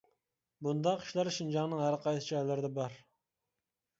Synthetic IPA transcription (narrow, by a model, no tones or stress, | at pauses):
bund̪ɑqʰːi̥ʃlˠɑɾʃind͡ʒɑŋnɨŋhæɾqʰɑjsɨ̥t͡ʃʰɑɛlːæɾd̪ɛbɑɾ